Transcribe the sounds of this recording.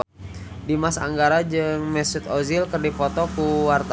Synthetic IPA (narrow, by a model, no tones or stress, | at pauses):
dimasa̰ŋɡaɾad͡ʒɨŋmɛsʊt̪ozilkərdipɔt̪ɔkuwart̪a